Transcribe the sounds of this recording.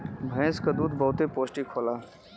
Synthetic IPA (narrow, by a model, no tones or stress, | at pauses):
bʱɛ̃ːskad̪uːd̪bɔːt̪epoːsʈikʰoːlaː